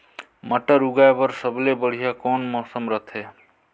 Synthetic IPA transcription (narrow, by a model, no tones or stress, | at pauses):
məʈːəɾuɡaebəɾsəblebəɽ̤ijakɔnmɔsəmɾʌt̪ʰe